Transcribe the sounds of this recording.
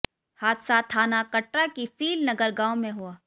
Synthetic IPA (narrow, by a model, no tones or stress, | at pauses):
haːt̪saːt̪ʰːaːnakɐʈɾakifiːlnɐɡəɾɡãːomẽɦuaː